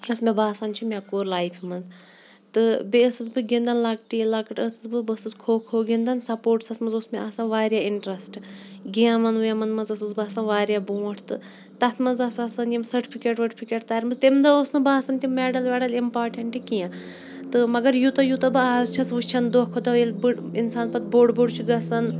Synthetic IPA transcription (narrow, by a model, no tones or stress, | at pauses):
ɐsmebaːsɐnt͡ʃʰimʲakoːɾlaːjpʰimɐnz | t̪ɨbeəsɨzbɨɡind̪ɐnlɐɡ̚ʈilɐkɨʈəsɨzbɨbɨsɨzkʰoːkʰoːɡind̪ɐnsɐpoːɾʈsɐt̪ʰmɐnzosmeɐsanʋaːɾjaiɳʈɾɐsʈɡijamɐnujɐmɐnmɐnzɐsuzbaːsɐnʋaːɾʲjaboːʈʰt̪ɨ̰ | t̪ɐt̪ʰmɐzɐsɐsɐnjimsɐɾʈi̥pʰikeːʈʋɐʈipʰikeːʈ̚t̪aːɾʲmɐzt̪emd̪ɐosnɨbaːsɐnt̪imɛːɖɐlʋʲɛːɽɐlimpaːɾʈɐɳʈikijã | t̪ɨmɐɡɐɾjut̪ɐjut̪ɐbɨaːzt͡ʃʰɐt͡sʋut͡ʃʰɐnd̪okʰot̪ɐelbɨinsaːnpɐt̪boːɖboɽt͡ʃʰuɡɐsɐn